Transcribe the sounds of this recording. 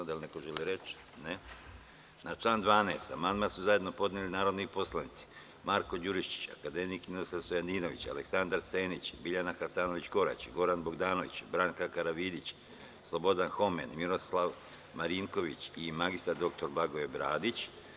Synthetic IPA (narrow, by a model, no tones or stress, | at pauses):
d̪alinekoʒeliɾe̞t͡ʃ | ne | nat͡ʃlˠaːnd̪ʋaːneːst̪a̰manmasuzajed̪no̞po̞d̪nelinaːɾo̞d̪noipo̞slˠanit̪si̥ | maːɾko̞d͡ʑuɾiʃt͡ʃi̥t͡ɕa̰kad̪e̞mikmiɾoslˠaʋst̪ojanino̞ʋḭt͡ɕa̰leksand̪aɾse̞ːnit͡ɕbiʎanaxasaːnoʋit͡ɕko̞ɾa̰t͡ɕɡo̞ɾanbo̞ɡd̪aːno̞ʋḭt͡ɕbɾaŋkakaɾaʋiːd̪it͡ɕ | slˠo̞bo̞d̪anxo̞mḛnmiɾo̞slaʋ | maɾiːŋko̞ʋit͡ɕimaɡist̪aɾd̪o̞k̚t̪o̞ɾblˠaɡo̞ebɾaːd̪it͡ɕ